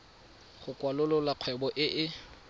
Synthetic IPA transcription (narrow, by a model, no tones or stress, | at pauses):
χʊkwalʊlʊlaq͡χʰwɛbɔʔɪʔɪ